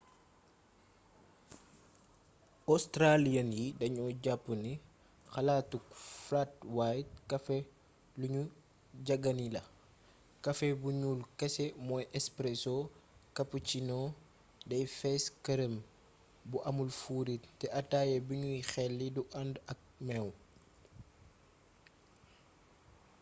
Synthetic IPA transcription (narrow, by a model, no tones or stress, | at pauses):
ɔstɾalijɐnjidɐɲɔːɟapːuni | xɐlaːtuk̚flat̚wajt̚kɐfɛ | luɲu | ɟɐɡɐnilɐ | kɐfɛbuɲuːlkɐsɛmɔjʔɛspɾɛsɔkɐput͡ʃinɔː | dɐjfɛskɐɾəm | buʔɐmulfuɾittɛʔɐtaːjebiɲujixɛlːiduʔɐndɐk̚mɛw